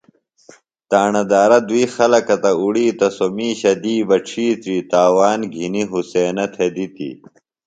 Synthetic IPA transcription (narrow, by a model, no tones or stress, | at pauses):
t̪aːɳɐd̪aːɾɐd̪uiːxɐlɐkɐt̪ɐuɽiːt̪ɐsomiːɕɐd̪iːbɐʈ͡ʂʰiːt̪ɾiːt̪aːwaːnɡʱiniɦuseːnɐt̪ʰed̪it̪ḭ